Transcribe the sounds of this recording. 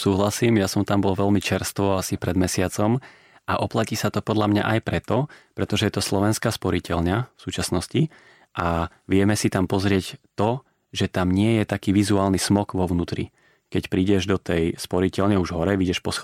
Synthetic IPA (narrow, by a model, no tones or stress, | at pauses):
suːɦlasiːmjasɔmt̪ambɔlʋɛlmit͡ʃɛɾst̪ʋɔasipɾɛd̪mɛsɪat͡sɔm | ʔaʔɔplaciːsat̪ɔpɔd̪ʎamɲa̰ʔajpɾɛt̪ɔpɾɛt̪ɔʒɛjɛt̪ɔslɔʋɛnskaːspɔɾicɛlɲafsuːt͡ʃasnɔsci | ʔaʋɪɛmɛsit̪ampɔzɾɪɛct̪ɔ | ʒɛt̪amɲɪɛjɛt̪akiːʋizuaːlnismɔkʋɔʋʊnuːt̪ɾḭ | kɛcpɾiːɟɛʒd̪ɔt̪ɛjspɔɾicɛlɲɛuʒɦɔɾɛʋiɟɛʃpɔs